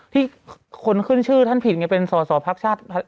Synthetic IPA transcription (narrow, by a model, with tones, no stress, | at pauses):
t̪ʰiː˥˩ | kʰo˧nkʰɯ˥˩nt͡ɕʰɯː˥˩t̪ʰa˥˩npʰi˨˩t̪̚ŋa˧˩pe˧nsɔː˩˦sɔː˩˦pʰaː˦˥k̚t͡ɕʰaː˥˩t̪̚ʰa˥˩